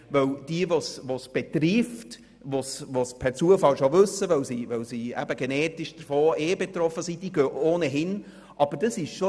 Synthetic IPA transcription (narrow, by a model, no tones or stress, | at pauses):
ʋœwd̥iəvosʋosb̥et̪ɾift | vosʋospʰɛɾt͡suəfɑlʃoʋɵsːəʋœwsiʋœwsiæ̰b̥əɡ̥enɛːtɪʃd̥əɾfoːʔeːbɛt̪ɾɔfəsid̥iːɡøːʔoːnəɦɪn | ʔɑb̥əd̥əsɪʃʃo